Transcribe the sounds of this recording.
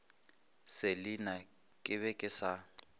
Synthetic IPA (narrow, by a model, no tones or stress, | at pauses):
sɪlɪna | kʼɪβɛkʼɪsa